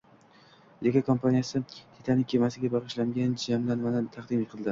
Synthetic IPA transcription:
jekʲakʰompanijasɪt̪ʰet̪ʰanɪkʰʲe̞masɪɡʲabɑʁɨʃlaŋɡʲand͡ʒamlanmanɪt̪ʰɑqd̪ɪmiqʰɨlˠd̪ɪ

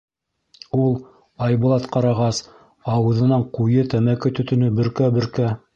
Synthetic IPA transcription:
ulˠ | ɑjbŭlˠɑt̪qɑɾɑʁɑs | ɑwɤ̆ðɤ̆nɑɴqujɤt̪æmækɘt̪ɵ̆t̪ɵ̆nɵbɵ̆ɾkæbɵ̆ɾkæ

